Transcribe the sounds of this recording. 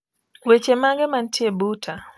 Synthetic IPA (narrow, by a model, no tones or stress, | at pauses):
wet͡ʃemaŋɡɛmantjebutʰa